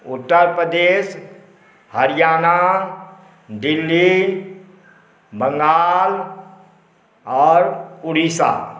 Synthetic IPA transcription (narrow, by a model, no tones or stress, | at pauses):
ʊt̪ːəɾpɾəd̪eːs | həɾɪjaːna | dɪlːi | bə̃ŋɡaːl | ɔːɾʊɾiːsa̰